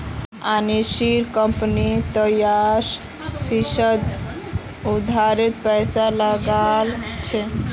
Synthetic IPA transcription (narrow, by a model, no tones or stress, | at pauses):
aniʃiɾkəmpnit̪əjas | pʰisəd̪ | ud̪ʱaɾit̪pɛjsaləɡalt͡ʃʰɛ